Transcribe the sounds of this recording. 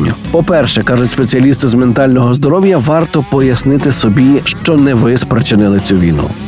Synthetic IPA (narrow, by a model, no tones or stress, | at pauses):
ʊ̰pɔpɛrʃɛkɑʒʊtʲspet͡sʲiɐlʲist̪ɪzment̪ɑlʲnɔɦɔzd̪ɔɾɔwjɐʋɑrt̪ɔpɔjɐsnɪt̪ɪsɔbʲiʃt͡ʃɔnɛʋɪspɾet͡ʃɪnɪlˠɪt͡sʲuʋʲḭjnṵ